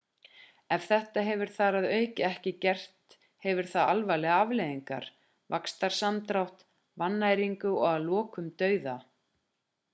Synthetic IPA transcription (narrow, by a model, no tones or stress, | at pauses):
ɛv̥θɛht̪aɦɛvʏɾ̥θaɾaðœːɥcɪɛhcɪcɛr̥t̪ | hɛvʏɾ̥θaðalvalɛɣaavlejðiŋka̰ɾ̥ | vakst̪aɾ̥samt̪ɾawht̪ | vanːajɾiŋkʏɔɣaðlɔːkʏmt̪œːɥða